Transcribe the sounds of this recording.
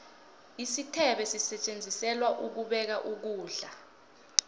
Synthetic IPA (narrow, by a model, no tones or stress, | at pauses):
isitʰɛɓɛsisɛt͡ʃʼend͡zʱisɛlwaʔuk̬uɓɛk̬aʔuk̬uːɮa